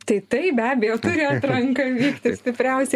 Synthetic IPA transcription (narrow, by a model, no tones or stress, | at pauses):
t̪ɐɪt̪ɐɪpbʲæːbʲɛjoːt̪ʊɾʲɪɐt̪ɾɐŋkɐʋʲiːkt̪ʲɪsʲt̪ʲɪpʲɾʲɛʊsʲɛ